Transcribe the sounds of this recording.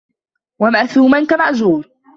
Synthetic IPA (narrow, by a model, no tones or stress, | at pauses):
wamaʔθuːmankamaʕzuːɾ